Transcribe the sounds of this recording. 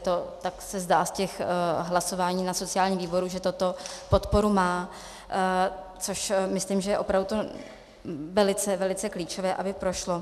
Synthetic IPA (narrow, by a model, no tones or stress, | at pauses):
t̪ot̪aksɛzdaːscɛxɦlaso̞vaːɲiːnaso̞t͡sɪjaːlɲiːmviːbo̞ɾuʒɛt̪ot̪o̞po̞t̪po̞ɾumaː | t͡so̞ʃmɪsliːmʒɛjɛʔo̞pɾavdudt̪o | vɛlɪt͡sɛvɛlɪt͡sɛkliːt͡ʃo̞vɛːʔabɪpɾo̞ʃlo̞